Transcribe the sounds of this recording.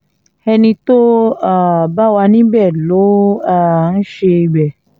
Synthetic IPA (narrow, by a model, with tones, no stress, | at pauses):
ɛ˧nĩ˧to˦a˦˨ba˦wa˧nĩ˨˦bɛ˦˨lo˨˦a˦˨n̩˦ʃe˧i˧ɡ͡bɛ˨